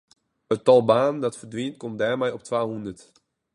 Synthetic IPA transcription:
ətːɑlˠbaːndɑtfərdʋint̚kɔmt̚dɛːrmɛjɔptʋaːɦundərt

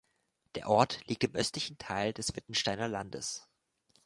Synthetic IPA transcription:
d̥eːɐʔɔɐtliːk̚tɪmʔœstlɪçn̩tʰaɪldɛsv̥ɪtn̩ʃtaɪnɐlandə̰s

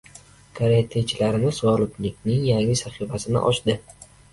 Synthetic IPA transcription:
kʰaɾet̪ʰet͡ʃʰɪlaɾɪnɪzvɒlˠʊt̪lɪkʲnɪŋjaŋʲɪsaχifasɪnɪ̰ʔɒ̰ʃd̪ɪ

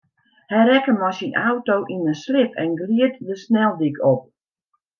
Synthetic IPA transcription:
hɛjɾɛkəmɔjsinawtowʔinəslɪpʰɛ̰nɡliətdəsnɛlˠdikʰɔp̚

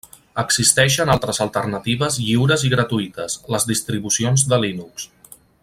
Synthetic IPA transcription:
əɡzist̪ɛʃənalˠt̪ɾəzəlˠt̪ərnət̪iβəzʎiwɾəziɣɾət̪uit̪əsləzðist̪ɾiβusionzd̪əlinuks

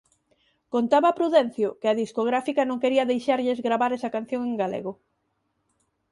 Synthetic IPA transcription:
kont̪aβɐpɾuðɛn̟θjʊkɪaðiskoɣɾafikɐnõŋkeɾiɐðejʃaɾʎezɣɾaβaɾɛsɐkan̟θjõŋeŋɡalḛɣo

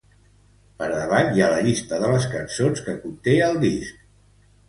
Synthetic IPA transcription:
pəɾðəβanjaləʎist̪əðələskənsonskəkunt̪eəlˠd̪isk

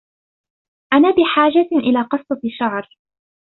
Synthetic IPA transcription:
ʔanaːbɪħaːd͡ʒaʔɪlaːqɨsˤt̪ˤɑʃaʕɾˤ

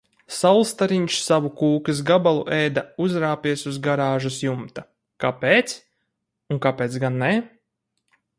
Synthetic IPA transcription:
salˠst̪aɾiɲʃsavukuːkis̬ɡabalˠṵʔɛjd̪auzɾaːpʲiɛsuzɡaɾaːʒusjumt̪a | kapeːt̪s | uŋkapeːt̪sɡanːɛ

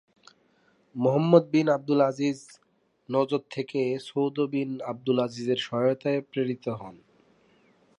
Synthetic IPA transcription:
moɦamːod̪̚binab̚d̪ulad͡ʑiz | nɔd͡ʑoɾt̪ʰːekesowd̪ʱobinab̚d̪ulad͡ʑizeɾʃɔɦot̪aepɾeɾit̪oɦɔn

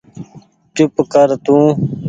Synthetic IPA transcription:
t͡ʃʊpkəɾt̪ũː

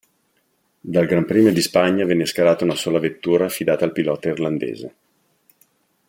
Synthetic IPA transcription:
d̪alɡɾampɾiːmod̪ispaɲːavɛnːeskaɾaːt̪aunasoːlavet̪ːuːɾaːfid̪aːt̪aːlpilɔːt̪airland̪ḛːzḛ

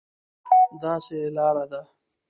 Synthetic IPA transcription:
d̪aːselaːɾad̪a

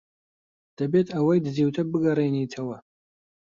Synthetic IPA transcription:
d̥abetʰʼawajdzewtʰabɨɡaɾainejtʰawa

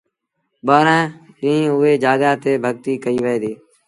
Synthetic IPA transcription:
ɓaːɾãː | d͡ʒĩːĩːʊeːd͡ʒaːɡaːt̪eːbʱəɡ̚t̪iːkəiːʋəẽːd̪iː

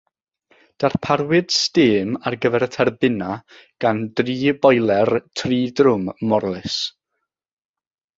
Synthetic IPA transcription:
d̥arpʰaɾwɪd̥stɪːmarɡəvɛɾətʰɛrbɪna | ɡ̥andriːbɔjlˠɛrtʰriːdrʊmːɔrlˠɪs

